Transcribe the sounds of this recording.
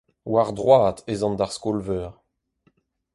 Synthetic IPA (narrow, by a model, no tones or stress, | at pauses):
waʁd̪ʁwaːt̪ʰezɑ̃nd̪aʁskɔlvœːʁ